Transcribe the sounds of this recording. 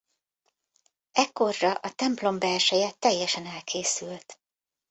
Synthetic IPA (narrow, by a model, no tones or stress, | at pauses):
ɛkːo̞rːɒʔɒt̪ɛmplo̞mbɛlʃɛjɛt̪ːɛjːɛʃɛnɛlkʰeːsylt̪